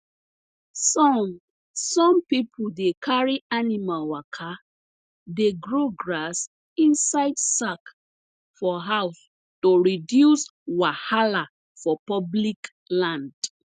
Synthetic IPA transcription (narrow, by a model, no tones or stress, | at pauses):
sɔm | sɔ̃mpipʰudekʰaɹianimalwakʰa | deɡɹoɡɹas | ĩnsaɪdsak | fɔɦaʊs | toɹidjuswahala | fɔpɔblik | lãnd̥